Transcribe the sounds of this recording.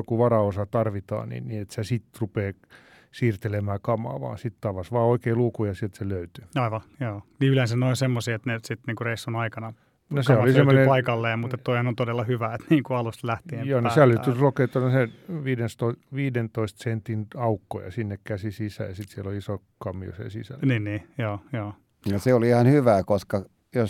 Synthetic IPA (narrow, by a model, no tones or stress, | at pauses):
jokuʋɑrɑosɑt̪ɑrʋit̪ɑ̰ːnḭnniet̪sesit̪rupeː | siːrt̪elemæːkɑmɑ̰ːʋɑ̰ːsit̪t̪ɑʋɑsʋɑːoikeːluːkujɑsielt̪seløyt̪y̥ɑiʋɑjoːniylensænoinsemːosiet̪nesit̪niːŋkureisːonɑikɑnɑ | noseolisemːonepɑikɑlːeːmut̪et̪t̪oihɑnont̪odelːɑhyʋæet̪niːŋkuɑlust̪læht̪iejoːnosælːyyrokeːt̪ːɑneseʋiːdenst̪oiʋiːdent̪oist̪sent̪inɑukːo̰jɑ̰sinːekkæsisisæ̰jɑsit̪sieloliiso | kɑmːio̰sḛsḭsæ̰lniːniːjoːjoː | noseoliihɑnhyʋæːkoskɑ | jos